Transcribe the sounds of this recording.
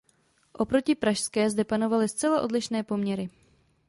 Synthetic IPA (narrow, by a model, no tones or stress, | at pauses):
ʔo̞pɾo̞cɪpɾaʃskɛːzdɛpano̞valɪst͡sɛlaʔo̞dlɪʃnɛːpo̞mɲɛɾɪ